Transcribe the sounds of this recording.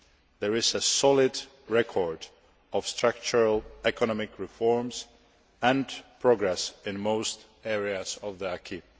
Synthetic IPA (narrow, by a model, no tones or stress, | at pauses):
ðɛɹɪzəsɔlɪd | ɹɛkʰɔɹd | ɔv̥stɹ̥ak̚t͡ʃəɹəlɛkɔnɔmɪkɹɪfɔɹmz | æ̃npʰɹ̥ɔɡɹɛsɪ̃nmoʊst | ɛɹiazɔvðiakʰi